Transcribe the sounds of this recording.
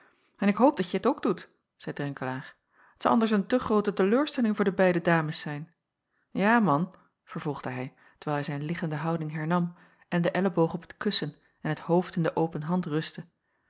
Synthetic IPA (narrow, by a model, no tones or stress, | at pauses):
ɛnɪkɦowp̚dɑtjəətowɡdut | z̥ɛjdrɛŋkəlaːɹ | ətɪsɑlˠʔɑ̰ndəɹs̬əntəχrowtətəløːɹstɛlɪŋvʊːɹdəbɛjdədaːməsɛjn | jaːmɑn | v̥əɹv̥ɔlˠχdəɦɛj | tə̥ɹʋɛːlˠɦɛjzɛjnlɪχəndəɦɑwdɪŋɦɛɹnɑm | ʔɛndəʔɛləbowχɔpə̥tkɵsən | ɛnɦətɦowftɪndəʔowpənɦɑntrɵstə